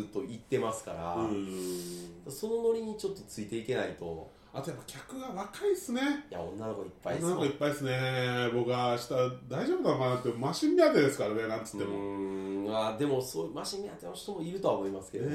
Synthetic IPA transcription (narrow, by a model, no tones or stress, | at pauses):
ɨt̪ːo̞it̪ːe̞masɨ̥kaɾa̰ɯ̃ | d̪aso̞no̞no̞ɾʲiɲ̟it͡ɕo̞t̪ːo̞t͡sɨit̪e̞ike̞nait̪o̞̰ | at̪o̞japːḁkʲakɯ̟ɡaβakaisɨne̞ja̰õ̞̰nːano̞koipːa̰inːanokoipːaiesɨne̞bo̞kɯ̟aɕi̥t̪ad̪aiʑoːbɯd̪anokanãnt̪ːemaɕimʲːiat̪ed̪e̞sɨ̥kaɾaβenãnt̪ɨ̥t̪ːemo | ad̪e̞mo̞soːmaɕimʲːiat̪eoɕi̥t̪omo̞iɾɯ̟t̪o̞βamo̞imasɨ̥ke̞d̪